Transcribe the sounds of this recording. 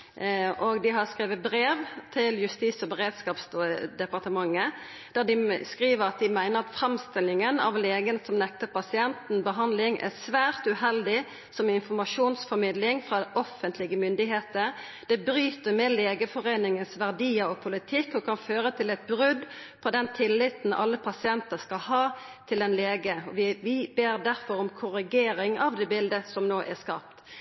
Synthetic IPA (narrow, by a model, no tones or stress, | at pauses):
ʔɔɡd̪ɪɦɑskɾeːʋəbɾeːʋt̪ʰɪljʉst̪iːsɔbəʁeːd̪skɑːpsd̪ɛpɑʁt̪əmɑŋːə | d̪̥æd̪ɪskʁiːʋəɾɑt̪̚d̪ɪmæɪnəʁɑt̪fɾɛmst̪ɪlːɪŋənɑ̰ʋleːɡənsɔmnɛk̚t̪əʁpɑsɪɛnt̪n̩bəɦɑnd̪lɪŋʔæ̰sʋæːʁt̪ʉhɛld̪ɪ | sɔmɪnfɔɾmɑʂuːnsfɔmɪd̪lɪŋfɾɑd̪ɛʔɔfənt̪lɪɡəmʏnd̪ɪɦeːt̪ə | d̪̥ɛbɾyːt̪əɾmeːleːɡəfɔʁeːnɪŋənsʋæʁd̪iːəɾɔpʰʊlɪt̪ʰɪkːɔkʰɑnføːɾət̪ʰɪlɛt̪̚bɾʏd̪ | pʰɔd̪ɛnt̪ʰɪlːɪt̪n̩ɑ̰lːəpʰɑsɪɛnt̪əskɑlhɑːt̪ʰɪlɛnleːɡəɔʋɪʋɪbeːɾd̪æʁfɔɾɔmkʰʊɾɪɡeːɾɪŋɑʋd̪ɛːbɪld̪əsɔmnoːʔæskɑ̰ːp̚t̪